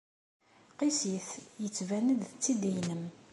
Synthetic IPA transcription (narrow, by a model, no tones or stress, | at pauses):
qisiθjət͡sːvænəd̪t͡sːid̪ijnəm